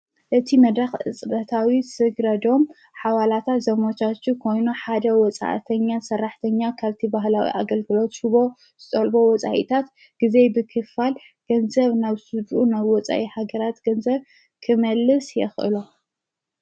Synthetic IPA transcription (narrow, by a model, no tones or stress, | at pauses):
ʔɨt̪ʰimɐd̪ɾaxʔɨ̰t͡sʼɾɐt̪ʰawisɨɡɾɐd̪o̞m | ħawalat̪ʰat̪zɐmot͡ʃat͡ʃːukʰo̞jnuħad̪ɐwɔt͡sʼa̰ʔt̪ʰɐɲːasɐrːaħt̪ʰɐɲːakʰaβt̪ʰibaɦlawḭʔa̰ɡɐlɡɨlo̞t̪ʃɪβo | z̥ɨt͡s̪ʼɐlbo̞wɔt͡sʼa̰ʔḭt̪ʰat̪ | ɡ̥ize̞jbɨkʰɨfal | ɡ̥ɐnzɐβnaβsɨd͡ʒʔunaβwɔt͡sʼa̰ʔihaɡɐɾat̪ɡ̥ɐnzɐβ | kʰɨmɐlːɨsjɛxʔɨ̰lo